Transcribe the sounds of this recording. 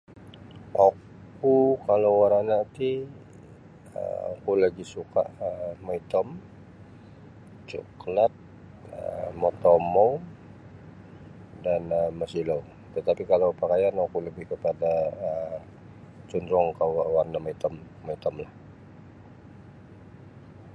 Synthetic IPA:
ʔok | ukalowwaɾanat̪i | ə̰o̰kulaɡisuka̰ʔəmoit̪ɔm | t͡ʃṵklat̪̚ | əmɔt̪omow | danəməsilou | t̪ət̪apikalowpakajanokuləbɪhkəpadaə | t͡ʃundɾɔŋkawawarnamait̪ɔmː | ɔit̪ɔmlah

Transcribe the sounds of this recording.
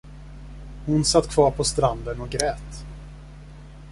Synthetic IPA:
hʊnsat̪ːkʰv̥ɑːɾpʰɔst̪ɾand̪ənɔɡɾɛːt̪

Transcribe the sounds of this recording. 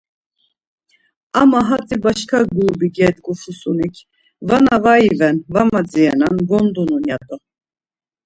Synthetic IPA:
amaɦat͡sʼibaʃkʰaɡubiɡɛd̪ɡufusunikʰ | vanavaivɛnvamad͡ziɛnanɡɔnd̪ununjat̪ʼɔ

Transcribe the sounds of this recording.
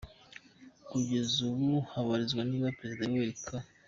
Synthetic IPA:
kuɟe̞zuβuhaβaɾizɡwaniːβapɾe̞zidajweɾikʰa

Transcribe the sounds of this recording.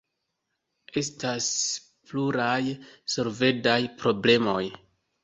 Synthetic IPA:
e̞stas | pluɾajso̞lve̞dajpɾo̞ble̞mo̞j

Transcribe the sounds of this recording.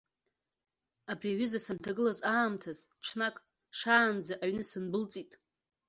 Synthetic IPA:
abriɥizasantʰaɡɨlazaːmtʰazʈ͡ʂʰnakʼ | ʂaːnd͡zaʔaɥnɨsɨnbɨlt͡sʼitʼ

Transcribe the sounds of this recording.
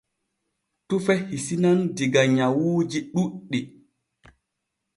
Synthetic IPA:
tufɛhisinandiɡaɲawuːd͡ʒiɗuɗːi

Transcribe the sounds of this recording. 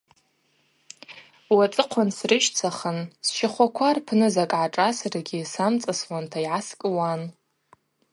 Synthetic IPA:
wat͡sʼɨqʷʰansrɨʃt͡sʰaχənsʃaχʷakʷʰarpʰnɨzakʼʕaʈ͡ʂʼasaraɡʲisamt͡sʼaswantʰaiʕaskʼɨwan

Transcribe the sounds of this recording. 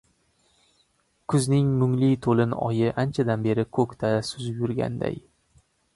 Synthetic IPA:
kʰʊznɪŋmʊŋlit̪ʰolɪnɒ̰jɪʔant͡ʃʰad̪anbe̞ɾɪkʰokʲt̪ʰasʊzjʊɾɡʲa̰nd̪a̰j

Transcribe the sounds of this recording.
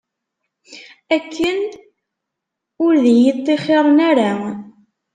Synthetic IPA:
ækʰːən | ʊɾðjit̪ˤːeχɪɾˤnaɾa

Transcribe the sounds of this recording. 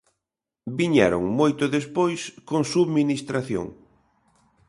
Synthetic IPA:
biɲɛɾo̰ŋmojt̪ʊðespojskoŋsuðminist̪ɾaθjo̰ŋ

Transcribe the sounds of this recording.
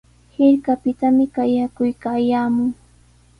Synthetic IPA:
hɪɾkapɪt̪amɪkajakʊjkaːjaːmʊŋ

